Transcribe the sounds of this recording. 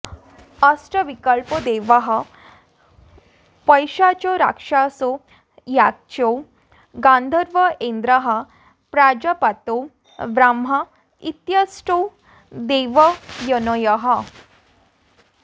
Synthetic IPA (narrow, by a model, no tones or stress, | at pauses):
əsʈəʋikəlpəd̪eʋaɦə | pəjɕat͡ɕoɾa̰kʂaso | jak̚t͡ɕo | ɡãnd̪ʱəɾʋəend̪ɾəɦə | pɾad͡ʑəpat̪o | ʋɾamɦa | it̪jəsʈo | d̪eʋəjənɔjəɦə